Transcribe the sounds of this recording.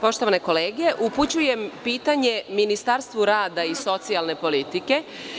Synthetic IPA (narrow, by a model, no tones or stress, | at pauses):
po̞ʃt̪oʋane̞ko̞leːɡeʔuput͡ɕuje̞mpiːt̪aɲeminist̪aɾst̪ʋuɾaːd̪aiso̞t̪sialne̞po̞lit̪ike̞